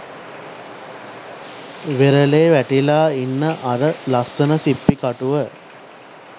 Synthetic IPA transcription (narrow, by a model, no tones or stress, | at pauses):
ʋeɾəleːʋæʈilaːinːəʔaɾəlasːənəsipːikaʈuʋə